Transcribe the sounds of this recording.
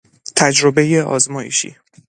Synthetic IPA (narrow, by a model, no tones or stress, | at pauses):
t̪ʰæd͡ʒɾobejeʔɒ̰ːzmɒːjḛʃḭː